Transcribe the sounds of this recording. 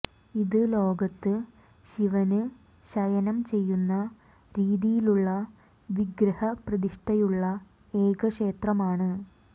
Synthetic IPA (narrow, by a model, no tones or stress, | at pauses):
iðɨlo̞ːɡɐt̪ːɨ | ɕiʋɐnɨ | ɕɐjɐnɐmt͡ɕe̞jːunːɐ | ɾiːðijiluɭːɐ | ʋiɡɾɐhɐprɐðiʂʈɐjuɭːɐ | e̞ːɡɐʂe̞ːt̪rɐmaːɳɨ